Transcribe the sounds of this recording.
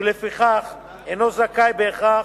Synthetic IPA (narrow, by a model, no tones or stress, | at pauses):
lefiχaχ | enozakajbeːχa